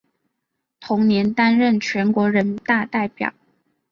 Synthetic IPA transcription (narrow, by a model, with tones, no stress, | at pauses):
t̪ʰʊ˧˥ŋnjɛ˧˥nt̪a˥nɻə˥˩nt͡ɕʰɥɛ˧˥nkwɔ˧˥ɻə˧˥nt̪a˥˧t̪a˥˩ɪpjɑ̰˨˩˦ʊ